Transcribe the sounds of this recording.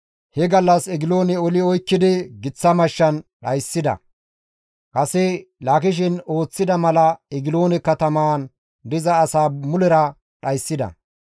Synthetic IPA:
hɛɡɐlːɐsɛɡɪloːnɛɔlɪɔjkːɪd̪ɪɡɪt͡sːɐmɐʃːɐnɗɐjsːɪd̪ɐ̰ | kɐsɛlaːkɪʃ̬ɪno̞ːt͡sːɪd̪ɐmɐlɐɛɡɪlo̞ːnɛkːɐt̪ɐmaːn | d̪ɪzɐːsaːmʊlɛɾɐ | ɗɐjsːɪd̪ɐ̰

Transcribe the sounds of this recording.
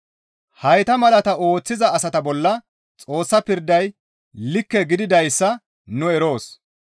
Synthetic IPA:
hɐjt̪ɐmɐlɐt̪ɐo̞ːt͡sːɪzɐːsɐt̪ɐbɔlːɐ | t͡sʼo̞ːsːɐpɪɾd̪ɐj | lɪkːɛɡɪd̪ɪd̪ɐjsːɐ | nʊɛɾo̞ːs

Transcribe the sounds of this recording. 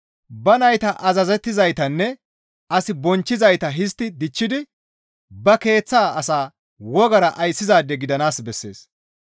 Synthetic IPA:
bɐnɐjt̪ɐʔɐzɐzɛt̪ːɪzɐjt̪ɐnːɛ | ɐsɪbɔnt͡ʃːɪzɐjt̪ɐɦɪst̪ːɪd̪ɪt͡ʃːɪd̪ɪ | bɐke̞ːt͡sːaːɐsaː | wɔɡɐɾɐʔɐjsːɪzaːd̪ɛɡɪd̪ɐnaːsbɛsːe̞̰ːs

